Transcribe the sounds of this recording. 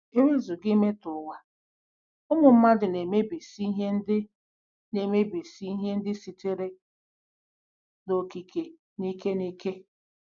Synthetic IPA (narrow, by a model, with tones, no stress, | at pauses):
e˦we˦zu˨ɡɪ˦me˦tʊ˨wa˨ | ʊ˦mʊ˨m̩˦ma˦dɪ˨ne˨me˦be˨si˦ɦe˦n̩˦dɪ˦ | ne˨me˦be˨si˦i˦ɦe˦n̩˦dɪ˦si˨te˦ɾe˦ | no˨ki˨ke˨ | ni˦ke˦ni˦ke˦